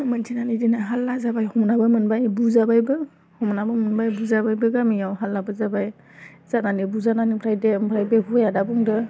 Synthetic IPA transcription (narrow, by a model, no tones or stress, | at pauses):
mɯntʰinanidinaɦalːazabajhɔmnabɯmɯnbajbuzabajbɯ | hɔmnabɯmɯnbajbuzabajbɯɡamijawɦalːabɯzabaj | zananibuzananipʰɾajdempʰɾajbekʰɔjadabuŋdɯ